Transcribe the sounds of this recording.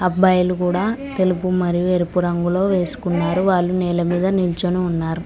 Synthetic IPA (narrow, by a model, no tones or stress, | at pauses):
ɐbːɐjɐlukuːɽaːt̪e̞lupumɐɾijueɾipuɾɐŋɡulo̞ːʋe̞ːsu̥kunːaːɾuʋaːɭːunɛːlɐmiːd̪ɐnilt͡ʃoniunːaːɾu